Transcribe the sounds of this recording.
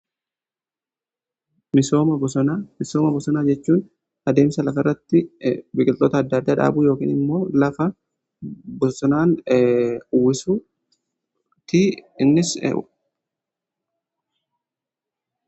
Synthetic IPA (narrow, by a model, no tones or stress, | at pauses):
mɪsoːmɐbɔsɔnamɪsoːmɐbɔsɔnaːd͡ʒɛt͡ʃːuːn | ɐd̪e̞ːmsɐlɐfɐɪrːɐt̪ːɪbɪkʼɪlt̪ʼːoːt̪ɐd̪ːɐːd̪ːaːᶑa̰ːbuːjo̞ːkḭːnɪmːo̞ːlɐfɐ | bɔsɔnaːn | ʊwːɪsu | t̪iːɪnːɪs